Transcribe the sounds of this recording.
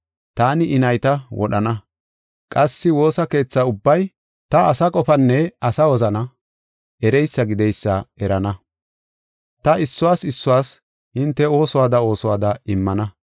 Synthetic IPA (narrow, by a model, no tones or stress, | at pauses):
t̪aːnɪʔɪnɐjt̪ɐwʔɔ̰ɗɐnɐ | kʼɐsːɪwo̞ːsɐke̞ːt͡sːaʊbːɐj | t̪ɐɐsɐkʼɔfɐnːɛɐsɐwɔzɐnɐ | ʔɛɾɛjsːɐɡɪd̪ɛjsːɐɛɾɐnɐ | t̪ɐɪsːʊwaːsɪsːʊwaːs | hɪnt̪ːɛo̞ːsɔwaːd̪ɐo̞ːsɔwaːd̪ɐɪmːɐnɐ